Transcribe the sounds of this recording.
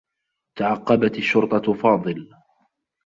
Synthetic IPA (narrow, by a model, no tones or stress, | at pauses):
t̪aʕɑqːɑbat̪aʃːʊɾt̪ˤɑfɑːd̪ˤɨl